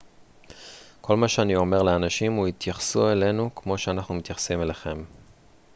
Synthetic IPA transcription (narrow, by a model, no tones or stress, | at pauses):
kʰo̞lmaʃeanio̞me̞ʁleanaʃimuit̪jaχsue̞le̞nukmo̞ʃeanaχnumit̪jaχsimeleχe̞m